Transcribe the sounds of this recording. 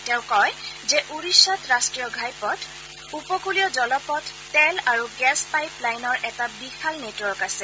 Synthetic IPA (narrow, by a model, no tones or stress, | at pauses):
tɛʊ̃kɔjzɛʔuɹisatɹastɹijɔɡʱajpɔt | upɔkulijɔzɔlɔpɔtːɛlaɹuɡɛspajplajnɔɹʔɛtabixalnetuɔɹkasɛ